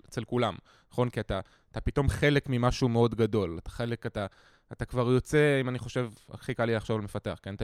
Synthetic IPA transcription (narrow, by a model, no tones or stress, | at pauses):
t͡selkulam | naχo̞nkiata | tapito̞mχe̞le̞kmimaʃumeo̞dɡado̞latḁχe̞le̞kataː | takvaʁjo̞t͡se̞imaniχo̞ʃe̞va̰χikaliaχʃavalme̞fatea̰χkent̪a